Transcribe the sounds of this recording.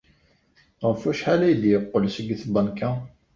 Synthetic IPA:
ʁəfæʃħalæjəd̪jəqːəlsəɡθbənkæ

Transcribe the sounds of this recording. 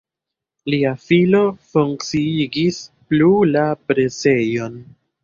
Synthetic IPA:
liafilo̞fuŋkt͡siiɡisplulapɾe̞se̞jo̞n

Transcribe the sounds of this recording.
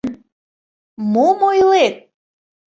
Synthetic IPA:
n | momojlet̪̚

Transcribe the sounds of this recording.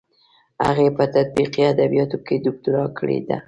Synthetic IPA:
ha̰ɣepət̪at̪̚biqiad̪abijɑt̪oked̪ʊk̚t̪ʊɾɑkəɽḛd̪a̰

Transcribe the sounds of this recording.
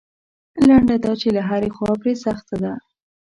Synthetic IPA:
laɳɖad̪ɑt͡ʃelaɦaɾexwɑpɾesaxt̪ad̪a

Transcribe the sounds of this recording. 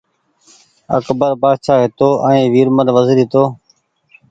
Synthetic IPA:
ə̰kbəɾbaːt͡ʃʰaːɦɪt̪oːʔəĩːʋiːɾmənʋəzɾit̪oː

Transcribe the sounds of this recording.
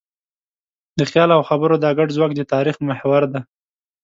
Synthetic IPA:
d̪əxjɑlawxabəɾod̪ɑɡaɖzwɑk̚d̪ət̪ɑɾixmahwaɾd̪a

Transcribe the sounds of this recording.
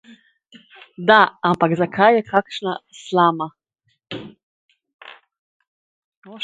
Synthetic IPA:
d̪aampakzakʰajːɛkʰakʃnaslaːma

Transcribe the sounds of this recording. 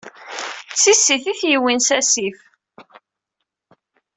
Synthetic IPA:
t͡sːisːiθiθjiwinsæsif

